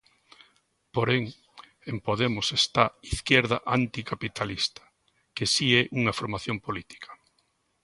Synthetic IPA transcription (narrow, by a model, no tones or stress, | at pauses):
poɾeŋ | empoðemʊsest̪aiθkjɛɾðɐʔant̪ikapit̪alist̪ɐ̥ | kesiɛʔuŋɐfoɾmaθjompolit̪i̥kʰɐ̥